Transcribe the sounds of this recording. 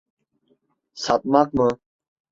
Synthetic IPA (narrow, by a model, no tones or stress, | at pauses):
sat̪̚maːkmə̃